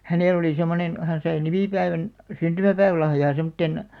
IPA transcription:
hæneˑl oli semːonen hæn sɑi nimiˑpæiʋæn syntymæpæiʋæ̆lɑhjɑː semŏtːen

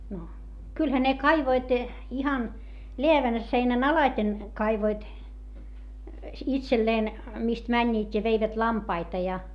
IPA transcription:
no kylhæ ne kɑiʋoit ihɑn leæʋæn seinæn ɑlɑĭten kɑiʋoit itselːeːn mist mænʲːiːtʲ jɑ ʋeiʋæt lɑmpɑitɑ jɑ

